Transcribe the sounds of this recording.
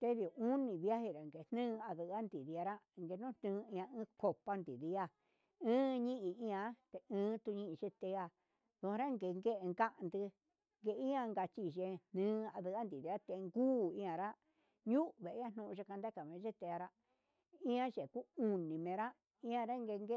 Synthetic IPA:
t̪e˦ði˨o˨u˦nĩ˨βja˦hi˧ɾa˨ŋɡe˨˧n̥nɨ̃ː˦˧a˧ðɨ˨a˦nd̪i˨ði˧a˧ɾa˦˧ŋɡe˧˦nũ˦˧nnɨ̃ː˦˧ĩ˧ã˧ɨ̃˦ko˧pa˧˦nd̪i˨ði˧˦a˧ | ɨ̃ː˦ɲĩ˦ʔĩ˧ĩ˦˧ã˧˦t̪e˧ɨ̃ː˦t̪u˧ɲĩ˦ʔi˧t͡ʃe˦t̪e˧˦a˧ | ðũ˧ɾa˦ŋɡe˨˧ŋɡe˦ʔe˧ŋɡa˦ʔnd̪ɨ˧ | ŋɡe˧˦ĩ˦ã˧ŋɡa˧t͡ʃi˧˨ʒe˧nnɨ̃ː˦a˧ðɨ˧a˦nd̪i˨ði˨˧ɾa˦t̪e˧ŋɡuː˦ĩ˦ã˧ɾa˦ | ɲũ˦ʔβe˨ʔã˦n̥ũ˧ʔʒe˧ka˧nd̪a˦ka˨mẽ˨˧ʒe˦t̪e˧a˧ɾa˦ | ĩ˦ã˦ʒe˨ku˦u˧nĩ˨mẽ˧ɾa˦ | ĩ˦ã˧ɾa˦ŋɡe˧ŋɡe˦

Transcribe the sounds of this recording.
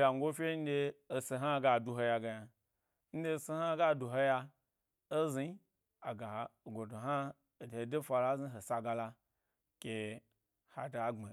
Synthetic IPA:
ja˨ŋ˦ɡo˦fʲe˦n̩˦deː˧si˧ɦa˦˨ɡa˨du˧ɦo˧ja˧ɡa˧ja˨ | n̩˦de˦˧si˧ha˦ɡa˦˨du˨ɦo˧ja˧ | o˦zi˧˦ | a˨ɡa˨ɡo˨do˨ɦa˦˨ | de˨de˦fa˧la˦zi˦ɦo˨sa˧ɡa˧la˧ | kʲe˧ | ha̰˨da˨˦ŋ͡ma˨

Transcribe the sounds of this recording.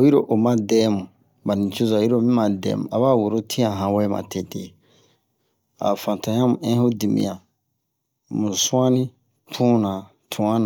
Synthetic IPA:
o˨ji˦ɾo˨ʔo˨mã˦dɛː˦mũ˨ | ba˨nĩ˨t͡ʃo˦za˨i˦ɾo˦˨mĩ˦mã˨dɛ̰˨˦mṵ̃˨a˨βa˦wo˨ɾo˦tʰĩ˦ã˨ɦã˨wɛ˦mã̰˨te˨te˨ | a̰˨fã˨tã˨˦ã˦mũ˨ɛ̃˦ho˦di˨mḭ̃˨ã˨ | mũ˨sũ˦ã˦nĩ˦ | tʰũ˦nã˨ | tʰũ˨ã˦nã˨

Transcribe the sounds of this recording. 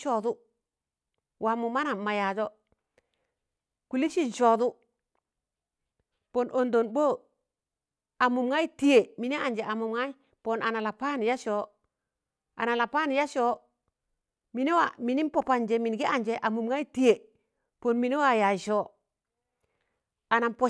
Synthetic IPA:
ʃɔ˨du˦ | wʔa˨mu˨ma˦na˨ma˨ja˨d͡ʒɔ˦ | ku˨li˦ʃi˦nʃɔ˨du˦ | po˨nʔo˨ndo˨nbo˦˨ | a˨mu˨mŋa˦i˦ti˦je˨mi˨ni˦a˨nd͡ʒe˨ʔa˨mu˨mŋa˦i˦ | po˨na˨na˨la˨pa˦n˨ja˦ʃo˨˦ | a̰˨na˨la˨pa˦n˨ja˦ʃo˨˦ | mi˨˦ni˦wa˨mi˨ni˦npo˨pa˨nd͡ʒe˨mi˨nɡi˦a˨nd͡ʒe˨ʔa˨mu˨mŋa˦i˦ti˦e˨ | po˨nmi˨ni˦wa˨ja˨ʃo˦ | a˨na˨npo˦

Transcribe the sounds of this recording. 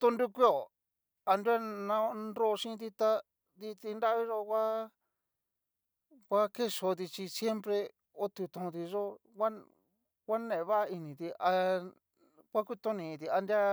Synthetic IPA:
t̪õ˧ndu˦kʷi˦o˨ | a˧nda˦nã˧nɾo˦˧ʃĩ˦˧t̪i˧t̪a˧ | ði˧t̪i˧nda˦βi˦ʒo˧kʷa˦ | kʷa˦ke˦ʂo˧t̪i˧t͡ʃi˧sje˦mpɾe˧ | o˦t̪u˧t̪õ˧t̪i˧ʐo˦wʷa˦ | kʷa˦nẽ˨˧βa˦i˧nĩ˨t̪i˧a˧ | kʷa˦ku˦t̪õ˦nĩː˨˧t̪i˧a˧nda˦

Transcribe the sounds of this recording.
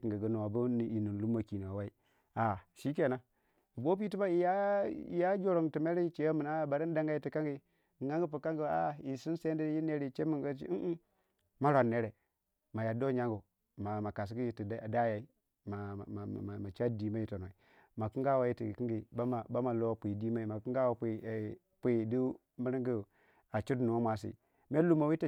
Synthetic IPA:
ki˨ŋɡə˨ɡə˦no˨wa˨bu˦n˦i˨nu˨n˨lu˦mːa˨ki˨no˨a˨wa˦i˦ | a˨ʃi˦k̬e˨na˦ | i˨bo˦p̬i˦ti˦ba˦i˨ja˦˨ḭ˨ja˦d͡ʒo˦ɾo˨ŋti˨me˦ɾi˦i˦t͡ʃe˨ja˦mə˨na˦˨ba˨ɾi˦n˦da˦ŋɡa˦ji˦ti˨ka˦ŋɡi˦˨ | ŋa˦ŋɡu˦pu˨ka˦ŋɡə˨˦a˦˨i˨si˦n˦se˦n˦di˦ji˦ne˦ɾi˦˨t͡ʃe˦mi˦˨ɡa˦t͡ʃḭ˦ʔ̩˦ | ma˦ɾa˨nːe˦ɾe˨ | ma˨ja˨do˦ɲa˦ŋɡu˨ | ma˨ma˨ka˨s̬i˨˦ɡi˦ji˨ti˨˦˨da˦ja˨i˦ | ma˨a˨a˨ma˨t͡ʃa˦di˨˦ma˦ji˦to˨no˨i˨ | ma˨ki˦ŋɡa˦wa˨ji˦ti˨ki˦ɡi˨ba˦ma˨ba˦ma˨lo˦˨pʷi˨di˦ma˦i˨ma˨ki˦ŋɡa˦wa˨pi˨ | pʷi˨˦˨di˦ | mi˦ɾi˦ŋɡi˦˨ | a˨t͡ʃu˦dnu˨ŋa˦mʷa˨sḭ˨ | me˦lu˦ma˨wi˦ti˨

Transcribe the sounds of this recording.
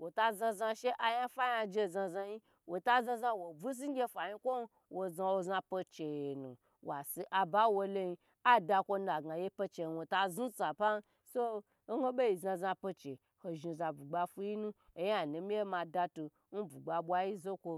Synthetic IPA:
wo˨ta˧zã˧za˧ʃe˦ʔa˧ja˦fa˦ja˧d͡ʒe˧˨za˧za˧ji˦ | wo˨ta˦zã˧za˧wo˨bu˦s̬i˦ŋ˦ɡʲe˧fa˨ji˧kʷo˦n˦ | wo˨za˧wo˧zã˧po˧t͡ʃe˨e˨nṵ˨ | wa˨si˧ʔa˨ba˦wo˧lo˧ji˧ | a˦da˧kʷo˧n˦˧a˨ɡa˨je˦po˧t͡ʃe˨wo˨ta˧zu˦t͡sa˨pa˦n˦ | so˦ | ɡo˦ɓe˦ji˨za˧zã˧po˧t͡ʃe˨ | ho˨ʒi˨˧˨za˨bu˨ɡ͡ba˧fu˦ji˦nũ˦e˨ja˨nu˨mi˦je˦ma˧da˧tu˧ | n̩˦bu˨ɡ͡ba˧ɓʷa˧ji˦zo˦kʷo˧

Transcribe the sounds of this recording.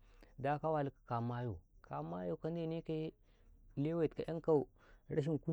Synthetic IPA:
da˦ka˦wa˨lkḁ˨ka˨ma˦jo˨kʰa˨ma˦jo˦˨ka˦n˦de˦ni˦ka˦ | le˦we˨tka˨ja˦ŋka˦u˨ | ɾa˦ʃ̬i˦n˨ku˦

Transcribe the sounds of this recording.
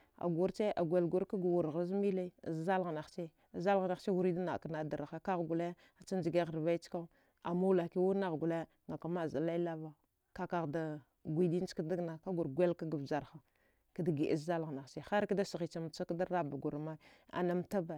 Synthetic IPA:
a̰˨ɡu˦ɾt͡ʃe˦ʔa̰˨ɡʷe˨lɡu˦ɾka˦ɡa˨wu˨ɾɣa˨˦zmi˦la̰˦˨zza˦lɣa˨na˨xt͡ʃe˦˨ | za˦lɣa˨na˨˦t͡ʃe˦wu˦ɾi˦da˦na˨ka˨na˨˦da˨ɾa˨xa˦ka˦ɣɡu˨la˦j | a˨t͡ʃa˦nd͡ʒi˨ɡe˦ɣə˨ɾva˦i˦t͡ʃka˦ | a̰˨mu˦la˨ki˦wu˦na˦ɣɡu˨la˦ | ŋa˨ka˨ma˦˨za˨la˦i˦la˦va˦ | ka˦ka˨ɣda˨ | ɡʷi˦di˦n˦t͡ʃka˦da˦ɡna˨ka˦ɡu˨ɾɡʷe˦lka˦ɡa˨vd͡ʒa˨ɾxa˨ | ka˦da˨ɡi˨ʔa̰˨zza˦lɣna˨t͡ʃe˦˨xa˦ɾkda˦si˨ɣi˨t͡ʃa˨m˨t͡ʃa˦kda˦ɾa˦ba˨ɡu˨ɾma˦ | a̰˨na˦mta˦ba˨

